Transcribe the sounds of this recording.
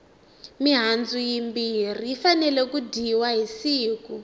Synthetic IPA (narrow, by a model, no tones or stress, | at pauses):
miɦand͡zujimbiriːfanɛlɛkudiwaɦisiːku